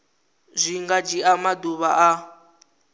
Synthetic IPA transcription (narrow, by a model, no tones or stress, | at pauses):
zʷiŋɡad͡ʒiamaduβaʔa